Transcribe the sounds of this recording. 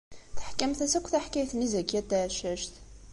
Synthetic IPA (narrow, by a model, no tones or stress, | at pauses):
θħkːæmθæsækʷːθæħkæjθnizækjæd̪æʕʃæʃt